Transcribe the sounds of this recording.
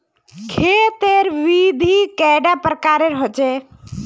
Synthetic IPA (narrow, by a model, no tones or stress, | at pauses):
kʰeːt̪eɾʋid̪ʱikɛɖapɾəkaːɾeɾɦɔt͡ʃe